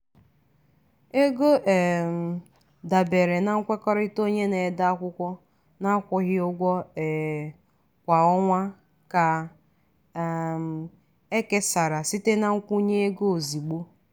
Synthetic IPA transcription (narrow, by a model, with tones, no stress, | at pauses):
e˦ɡo˦ʔɛ˨m˨ | da˨be˨ɾe˨na˨ŋ̩˦kʷe˦kɔ˦ɾi˦to˦ɲe˦ne˨da˦a˦kʷʊ˦kʷɔ˦ | na˦kʷɔ˦ɣɪ˦ʊ˦ɡʷɔ˦˨ | kʷa˨ɔ˦ŋʷa˦ | ka˨ | e˦ke˦sa˨ɾa˨si˦te˦na˦ŋ̩˦kʷu˦ɲe˦e˦ɡo˦o˨zi˨ɡ͡bo˦